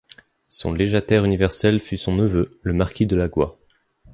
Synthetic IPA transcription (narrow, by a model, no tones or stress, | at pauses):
sɔ̰̃leʒat̪ɛʁynivɛʁsɛlfysɔ̃nəvøləmaʁkʲid̪əlaɡwa